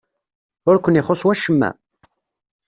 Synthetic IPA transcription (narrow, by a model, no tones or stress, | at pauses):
ʊɾkʷənɪχoswæʃəmːæ̰